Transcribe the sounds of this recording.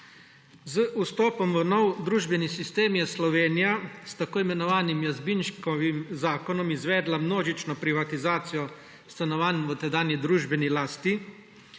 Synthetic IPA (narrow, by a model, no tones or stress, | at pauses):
zəʔust̪ɔːpɔmʋənɔwd̪ɾuːʒbɛnisist̪eːmjɛslɔʋeːnijast̪akoːimɛnɔʋaːnimjazbinʃkɔʋimzaːkɔnɔmizʋɛːd̪lamnoːʒit͡ʃnɔpɾiʋat̪izaːt̪sijɔ | st̪anɔʋaːnmʋət̪ɛd̪aːnid̪ɾuːʒbɛnilaːst̪i